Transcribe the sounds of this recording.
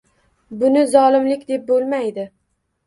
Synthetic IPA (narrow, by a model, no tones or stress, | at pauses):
bʊnɪzɒlˠɪmlɪkʲd̪e̞p̚bolˠmajd̪ɪ